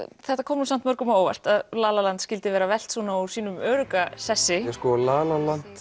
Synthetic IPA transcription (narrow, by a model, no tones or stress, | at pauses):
θɛht̪ːakʰɔːmnusam̥t̪mœɾkʏmaoːwva̰r̥t̪aðlaːlalant̪scɪlt̪ɪvɛːɾavɛl̥t̪sɔːnḁsiːnʏmœːɾʏkasɛsːɪɛskɔːalaːlalant̪